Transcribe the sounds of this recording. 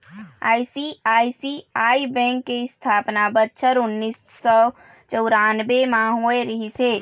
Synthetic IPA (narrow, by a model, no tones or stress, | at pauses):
aːisiaːisiaːibɛ̃ːŋkːest̪ʰaːpnabət̪ʃʰəɾʊnːisːɔ | t͡ʃəʊɾaːnbemãɦoːeɾəɦise